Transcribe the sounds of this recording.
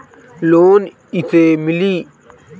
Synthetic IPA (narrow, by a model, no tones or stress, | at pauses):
loːn | iseːmiliː